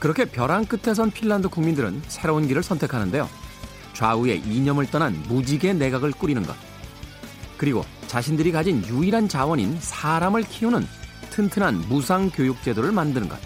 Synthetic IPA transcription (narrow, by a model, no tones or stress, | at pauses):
kɯɾʌkʰe̞pjʌɾaŋk͈ɯtʰe̞s̬ʰʌnpʰiɭːandɯkuŋmindɯɾɯ̰nsʰe̞ɾounɡiɾɯɭsʰʌntʰe̞kʰanɯnde̞jo̰ | t͡ɕwaue̞̰ʔiɲʌmɯɭt͈ʌnɦanmud͡ʑiɡe̞ne̞ɡaɡɯɭk͈uɾinɯnɡʌ̰t̚ | kɯɾiɡo̰t͡ɕaɕʰindɯɾikad͡ʑinjuiɾɦant͡ɕawʌɲḭnsʰaɾamɯɭkʰiunɯntʰɯntʰɯnɦanmusʰaŋkjojuk̚t͡ɕ͈e̞doɾɯɭmandɯnɯnɡʌ̰t̚